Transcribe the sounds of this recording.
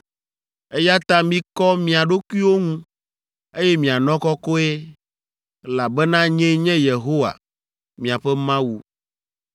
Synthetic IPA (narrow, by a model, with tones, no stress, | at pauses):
e˦ja˦t̪ã˦mĩ˦kɔ˦mĩ˨a˨ɖo˦kwi˦wo˦ŋũ˦ | e˦jɛ˦mĩ˨a˨nɔ̃˦kɔ˦kɔ˦e˦ | la˨bɛ˦nã˦ɲɛ̃˦ɲɛ̃˦je˨ɦo˦wa̰˨ | mĩ˨a˨ɸɛ˦mã˦wu˦